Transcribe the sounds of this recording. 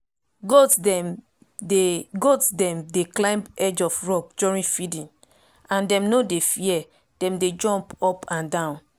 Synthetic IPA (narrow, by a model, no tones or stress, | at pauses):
ɡo | ɡodsdɛ̃mdeklãɪ̃mbɛd͡ʒɔfɹɔp̚d͡ʒuɹĩnfidĩn | ãndɛ̃mnodefiɛ | d̥ɛ̃mded͡ʒɔ̃mpɔpʰãndãʊ̃n